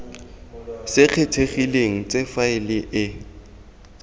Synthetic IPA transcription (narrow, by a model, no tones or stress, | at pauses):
sɪq͡χʰetʰeχileŋ̩t͡sʼefaɪlɪʔɪ